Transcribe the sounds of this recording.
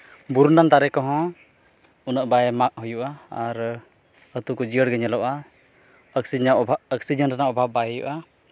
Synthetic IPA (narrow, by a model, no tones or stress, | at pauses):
buɾunant̪aɾɛkɔɦɔ̃ | unaʔbajɛmak̚ɦujuʔaaɾ | ət̪ukɔd͡ʒijəɽɡɛɲɛlɔʔa | ək̚siaaəksid͡ʒɛnʈanaʔɔbʱab̚ajɛjṵʔa